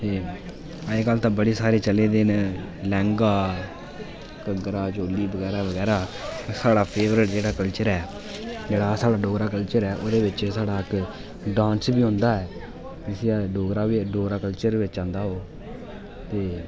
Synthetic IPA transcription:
t̪eː | əeːkalt̪ãːbəɽiːsaːɾeːt͡ʃəleːd̪eːn | lɛ̃ːŋɡaː | kəɡɾaːd͡ʒoːliːbəɡɛːɾaːʋəɡɛːɾaːsaːɽaːpʰeːʋɾɪʈd͡ʒeːɽaːkəlt͡ʃəɾɛː | d͡ʒeːɽaːsaːɽaːɖoːɡɾaːkəlt͡ʃəɾɛːʔoːd̪eːʋɪt͡ʃsaːɽaːɪk | ɖãːnsbiːɦõːnd̪aːɛː | ɪsiaːɖoːɡɾaːʋiːɖoːɡɾaːkəlt͡ʃəɾʋɪt͡ʃãːnd̪aːɦoː | t̪eː

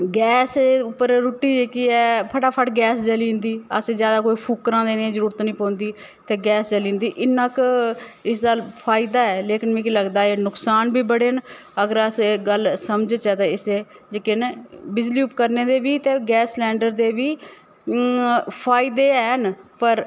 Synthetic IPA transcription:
ɡɛːseʊpːəɾɾuːʈːiːd͡ʒeːkiɛːpʰəʈaːpʰəʈɡɛːsd͡ʒəlĩːnd̪iːə̰seːd͡ʒjaːd̪aːkoːiːpʰuːkɾãːd̪eːnẽzəɾuːɾət̪nəĩːpõːnd̪iːt̪eːɡɛːsd͡ʒəlĩːnd̪iːʔɪnːãːkɪsd̪aːlpʰaːɪd̪aːɛːleːkɪnmɛ̃ːkiləɡd̪aːeːnʊksaːnbiːbəɽeːn | əɡəɾəseɡəlsəmd͡ʒt͡ʃəːd̪eɪseːd͡ʒekɪnbɪd͡ʒliːʊpkəɾneːd̪eːbiːt̪eːɡɛːslɛːɳɖəɾd̪eːbiː | pʰaːɪd̪eːɛːnpəɾ

